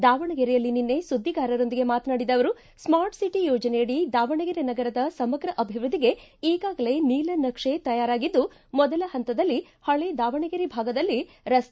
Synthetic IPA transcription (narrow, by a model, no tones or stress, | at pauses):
d̪aːʋɐɳɐɡɛɾɛjɐlːininːe̞sud̪ːiɡaːɾɐɾo̞nd̪iɡe̞maːt̪naːɽid̪ɐʋɐɾu | smaːɾʈsiʈijɔːd͡ʒɐnejɐɽid̪aːʋɐɳɐɡɛɾenɐɡɐɾɐd̪ɐsɐmɐɡɾɐʔɐbʱiʋɾud̪iɡe̞iːɡaːɡɐle̞niːlɐnɐkʂet̪ɐjaːɾaːɡid̪ːu | mɔd̪ɐlɐhɐnt̪ɐd̪ɐlːi | hɐɭed̪aːʋɐɳɐɡeɾibʱaːɡɐd̪ɐlːi | ɾɐs